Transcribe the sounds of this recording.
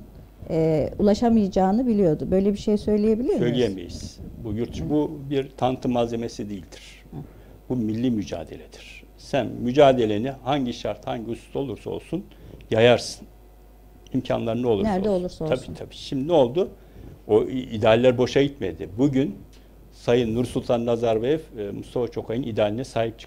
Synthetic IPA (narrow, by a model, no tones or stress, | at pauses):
ɛːulˠaʃamɯjd͡ʒaːnɯbilʲijo̞d̪ʊbø̞jlʲebiʃe̞jsø̞jlʲije̞bilʲisɾmø̞jlʲijjemḛjḭz̥bujuɾt̪ʰʃbubiɾt̪ʰant̪ʰɯmːaze̞me̞sid̪ejilʲd̪iɾ̥ | b̥umilʲːimyd͡ʒa̰ːd̪e̞̰lʲed̪̥i̥ɾ̥ | sænmːyd͡ʒaːd̪e̞lʲenihaɲɟiʃaɾt̪haɲɟiust̪t̪ʰo̞lˠuɾsao̞̰lˠsun | jajaɾsɯ̥n | imcʰa̰nlˠaɾɯnɛolˠuaolˠuɾʰabiːt̪ʰabiːʃimd̪no̞lˠd̪u | oid̪aːlʲːæɾbo̞ʃaɟit̪me̞d̪ɪbuɟyn | sajɯnːuɾsulˠt̪ʰanːazaɾbefmust̪ʰafat͡ʃʰo̞kʰajɯnid̪aːlʲinɛsaːɦip̚t͡ʃʰɯ̥k